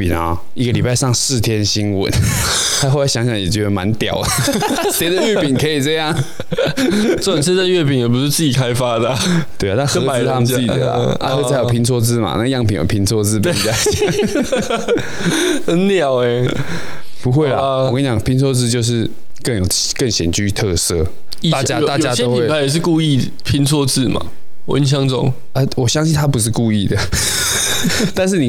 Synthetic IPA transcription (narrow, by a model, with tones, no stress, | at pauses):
pi˨˩na̰˨˦ | i˧˥ɡə˨li˨˩pa˥˧ɪʂɑ˥˨˧ŋsɹ̩˥˩t̪ʰjɛ˥nɕi˥nwə̰˨˩˦n | t̪ʰa˥xo˥˧˥ɕjɑ˧˥ŋɕjɑ˧˩jɛ̰˨˩t͡ɕɛ˧d̪ə˨ma̰˧˦nt̪jɑ̰˨˩ʊ | t̪ɛ˧˥d̪ə˧˨ɥɛ˥˩pi˨˩ŋkʰɤ˧˥i˨˩t͡sɤ˥˧jɑ˥˩ŋ | t͡sɔ˥˩ə˨nsʰt͡sa˧ɥɛ˥˩pi˨˩njɛ˨˩p̬u˧˥ʂɻ̩˥˧t͡sɹ̩˥˩t͡ɕi˨˩kʰa˦ɪfa˥d̪ə˨t̪we˥˩a˨˩a˥˩nxt̪ʰa˥mə˨˥˩d̪ə̰˨˩lə̰a˧˦t͡ɕo˥˨t͡sʰa˧˥ɪjo˨˩pʰi˧˥ŋt͡sʰɔ˥˧t͡sɹ̩˥ma̰˨˦na˥˩ɡə˩˦jɑ˥˩˨ŋpʰḭ˨˦jo̰˨˩pʰi˧˥ŋt͡sʰwɔ˥˧t͡sɹ̩˥˧pi˨˥˩i˨˧˩a˥˩˦ | njɑ˥˨˩ʊe˨ | pu˧˦xwe˥˩ɪla̰˩˨kə˥nt͡ɕɑ˨˩ŋpʰi˧˦nt͡sʰwɔ˥˧t͡sɹ̩˥˧t͡ɕjo˥˧ʊʂ̬ɻ̩˥˧ | kə˥˩ŋjo˨˩ | kə˥˩ŋɕjɛ˨˩nt͡ɕy˧˥˧t̪ʰɤ˥˧˩sɤ˥˧˦ | a˥˨t͡ɕja˥˨t̪a˥˨t͡ɕja˨˦tɕɛo˦i˨we˥˨a˨˦ɪjɛ˨˩ʂ̬̩˥˧ku˥˧i˥˨ | pʰi˧˥nt͡sʰwɔ˥˧t͡sɹ̩˥˩ma̰˨˩ | w̰i˥nɕ̬jɑ˥ŋt͡sɔ̰˨˩ŋ | a˥˦wɔ˨˩ɕɑ˥˦ŋɕi˥˧nt̪ʰa˥pu˧˦ʂ̬ɻ̩˥˧ku˥˧i˥˩d̪ə˩ | t̪a˥˧nʂ̬ɻ̩˥˩ni˨˩